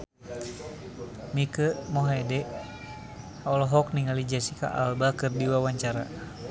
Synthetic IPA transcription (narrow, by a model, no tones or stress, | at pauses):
mikəmɔɦɛdɛ | ɔlɔɦɔk̚niŋalid͡ʒasika̰ʔa̰lbakɨrdiwawaɲt͡ʃaɾa̰